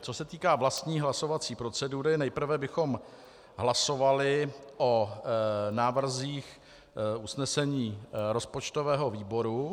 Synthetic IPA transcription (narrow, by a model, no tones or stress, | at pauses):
t͡sosɛt̪iːkaːvlast̪ɲiːɦlaso̞vat͡siːpɾo̞t͡sɛduɾɪnɛjpr̩vɛbɪxo̞m | ɦlaso̞valɪʔo | naːvr̩ziːx | usnɛsɛɲiːɾo̞spot͡ʃt̪o̞vɛːɦo̞viːbo̞ɾu